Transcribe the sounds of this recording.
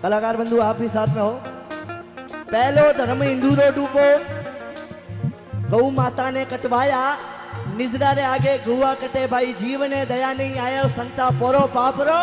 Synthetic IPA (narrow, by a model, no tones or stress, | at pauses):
k̪ɐlaːkaːɾbɐ̃nd̪ʱuaːpiːsaːt̪ʰnɐɦoː | pɛɦɪlod̪ʱɐɾmɪ̃nd̪uːɾoːɖuːpo | kɐũmaːt̪anẽkɐʈʋaːja | nɪzɗaːɾeaːɡeɡʱɐuakɐʈebʱaːid͡ʑiːʋnẽd̪ɐjaːniaːjosɐ̃nt̪apoːɾopaːpɾoː